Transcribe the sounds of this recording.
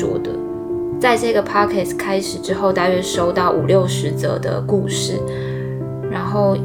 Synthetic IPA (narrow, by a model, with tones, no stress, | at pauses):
wɔ̰˥˩d̪ə̰˩ | t͡sa˥˧ɪʈ͡ʂɤ˥˧ɡə˩pʰɑ˥kʰɛ˥˩skʰa˥ɪʂɻ̩˨˩ʈ͡ʂɻ̩˥xo˥˧ʊt̪a˥˧ɪɥɛ˥˧ʂo˥ʊt̪ɑ˥˩ʊʔu˨˩ljo˥˨˩ʊʂɻ̩˧˥t͡sɤ̰˧˩d̪ə̰˧ku˥˧ʂɻ̩˥˩ | ɻa˧˥nxo˥˩ʊ